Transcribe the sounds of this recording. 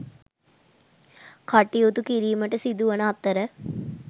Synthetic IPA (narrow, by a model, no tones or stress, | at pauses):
kʰaʈiut̪ukiɾiːməʈəsid̪uʋənəɦat̪ːəɾə